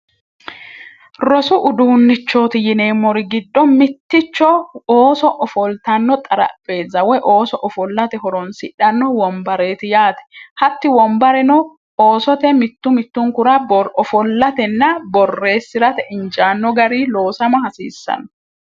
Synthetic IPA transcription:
ɾɔsʊʔʊd̪uːnːɪt͡ʃːoːt̪ɪjɪneːmːɔɾɪɡɪd̪ːɔmɪt̪ːɪt͡ʃːɔoːsɔʔɔfɔlt̪ɐnːɔt̪ʼɐɾɐ̰pʼːe̞ːzːɐwɛʔoːsɔʔɔfɔlːɐt̪ɛɦɔɾɔnsɪᶑɐnːɔwɔmbɐɾe̞ːt̪ɪjaːt̪ɛ̥hɐt̪ːɪwɔmbɐɾɛnɔ | oːsɔt̪ɛmɪt̪ːʊmɪt̪ːʊŋkʊɾɐbɾɔfɔlːɐt̪ɛnːɐbɔrːe̞ːsːɪɾɐt̪ɛʔɪnt͡ʃʼaːnːɔɡɐɾiːlo̞ːsɐmɐhɐsḭːsːɐ̰nɔ

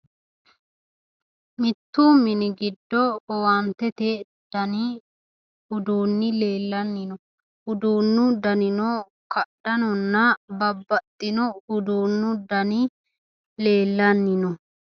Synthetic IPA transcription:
mɪt̪ːuːmɪnɪɡɪd̪ːɔwɐnt̪ːɛt̪e | d̪̥ɐnɪ | hʊd̪uːnːɪle̞ːlːɐnːɪnɔ | hʊd̪uːnːʊd̪ɐnɪnɔ | kɐɗɐnɔnːɐbɐbːɐt̪ʼːɪnɔhʊd̪uːnːʊd̪ɐnɪ | le̞ːlːɐnːɪnɔ

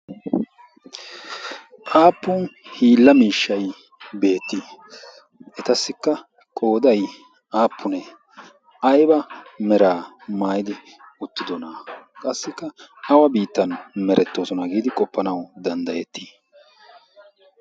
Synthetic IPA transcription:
ʔaːpːʊnhiːlːɐmiːʃːɐj | be̞ːt̪ːɪ | ɛt̪ɐsːɪkːɐ | kʼo̞ːd̪ɐj | ʔaːpʰːʊnɛ | ʔɐjbɐmɛɾaːmaːjɪd̪ɪ | ʊt̪ːɪd̪ɔnakʼɐsːɪkːɐɐwɐbiːt̪ːɐnmɛɾʔɛt̪ːo̞ːsɔnɐɡiːd̪ɪkʼɔpːɐnɐwd̪ɐnd̪ɐjɛt̪ːiː

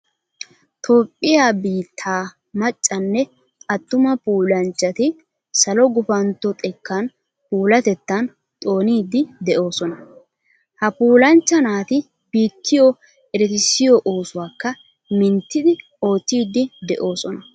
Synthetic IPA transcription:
t̪ʰo̞ːpʼːɪjaːbiːt̪ʰːaː | mɐt͡ʃʼːɐnːɛ | ɐt̪ːʊmɐpuːlɐnt͡ʃːɐt̪ɪ | sɐlɔɡʊfɐnt̪ːɔt̪ʼɛkːɐn | puːlɐt̪ɛt̪ːɐn | t̪ʼo̞ːniːd̪ɪd̪ɛʔo̞ːsɔnɐ | hɐpuːlɐnt͡ʃːɐnaːt̪ɪ | biːt̪ʰːɪjɔ | ɛɾɛt̪ɪsɪjɔʔoːsʊwaːkːɐ | mɪnt̪ːɪd̪ɪ | o̞ːt̪ːiːd̪ːɪd̪ɛʔo̞ːsɔnɐ

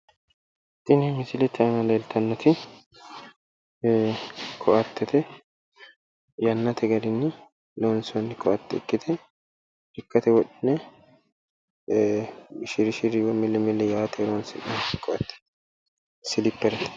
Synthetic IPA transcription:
t̪ɪnemɪsɪlɛt̪ːɛɐnɐleːlt̪ʰɐnːɐt̪ʰɪ | kʰɔʔɐt̪ːɛt̪ɛ | jɐnːɐt̪ʰɛɡɐdɪnːɪ | loːnsnːɪkʰɔʔɐt̪ːɪɪkʼːɪt̪ʰɛ | ɪkːɐt̪ɛwɔɗɪnːɛ | ʃɪɾɪʃɪɾɪwɔmːɪlːɛmːɪlːɛjaːt̪ɛlonsɪʔɐnkʰɔʔɐt̪ːɛ̥ | sɪlɪpːɛɾɛt̪

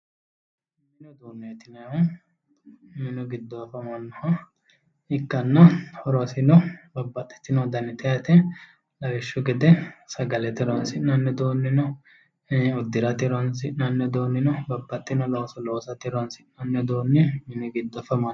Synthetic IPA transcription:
mɪnɔd̪oːnːɛɐt̪ːɪnɐjʊ | mɪnɔɡɪd̪ːɔɐfɐmɐnːɔhɐ | ɪkːɐnːɐhɔɾɔsɪnɔbɐbːɐt̪ʼːɛ̥t̪ːɪnɔd̪ɐnːɛt̪ʼɛjɐt̪ɛ | lɐɾɛʃːʊɡɛd̪ɛsɐɡɐlɛt̪ɪɾɔnsɪnɐnːɛd̪oːnːɪnɔ | ʊd̪ːɪɾɐt̪ɪɾɔnsɪʔnɐnːɛd̪oːnːɪnɔbɐbːɐt̪ʼːɪnɔloːsɔloːsɐt̪ːɪɾɔɐnsɪnɐnːɛd̪oːnːɪmɪnɔɡɪd̪ːɔɐfɐmɐn

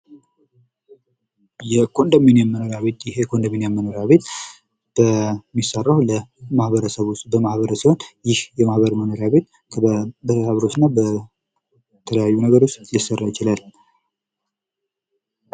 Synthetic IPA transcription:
jɛkʰo̞nd̪əmenjɛmːənoɾjaβet̪jɪhekʰo̞nd̪əmenjɛmːənoɾjaβe̞t̪ | b̥əmːisːarːawləmahβəɾəsəβust̪bəmahβəɾəsiho̞njɪhjɛmahβəɾmənoɾjaβe̞t̪̚ʰbət̪ət̪aβəɾo̞t͡ʃnːabə | t̪ʰələjajːunəɡəɾo̞t͡ʃːjɪsərːajɪt͡ʃɪlal

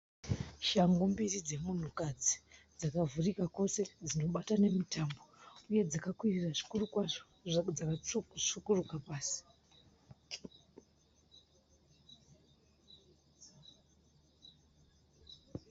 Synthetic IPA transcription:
ʃaŋɡumbirid͡ze̞mun̤ukad͡zid͡zakavurikako̞se̞d͡zino̞ɓatane̞mitambo̞uje̞d͡zakakwiriraʐi̥kurukwa | d͡zakaʂukurukapaːsi̥

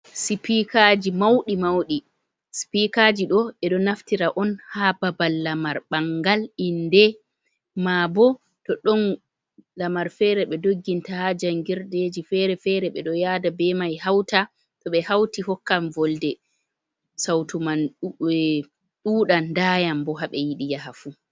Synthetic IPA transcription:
sipikaːd͡ʒimawɗimawɗi | si̥pikad͡ʒiɗɔɛɗɔnaftiɾaʔɔnhababalːamaɾɓaŋɡalindɛ | mabɔ | tɔɗɔn | lamaɾfɛɾɛɓɛdoɡːintahad͡ʒaŋɡiɾded͡ʒifɛɾɛfɛɾɛɓɛɗɔjaːdabɛmajhawta | tɔɓɛhawtihɔkːamvɔldɛ | sawtuman | ɗuːɗandaːjambɔɦaɓɛjiɗijaɦafu

